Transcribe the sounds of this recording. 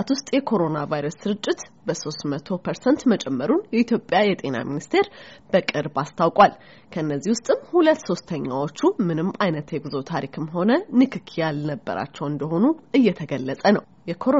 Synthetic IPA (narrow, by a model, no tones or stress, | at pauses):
t̪wʊst̪ʼjɛkʰo̞ɾo̞navajɾəsːɨɾɨt͡ʃʼːɪt̪bəso̞st̪mət̪ʰo̞pʰəɾsənt̪mət͡ʃʼɛmːəɾunjɛit̪ʰjo̞pʼːjajɛt̪ʼe̞na̰minist̪ʰe̞ɾb̥əkʼɨɾbast̪ʰawkʼwal | kʰəɨnːəzːihwʊst̪ʼɨmhulət̪ːso̞st̪ʰəɲːa̰wo̞t͡ʃːumɨnɨmːajnət̪jɛɡɨzo̞t̪ʰaɾikʰɨmɦo̞nənɨkʰɨkʰijalnəbːə̰ɾa̰t͡ʃːɛwɨnd̪əɦo̞nuɨjːɛt̪ʰəɡəlːət͡sʼənəw | jɛkʰoɾo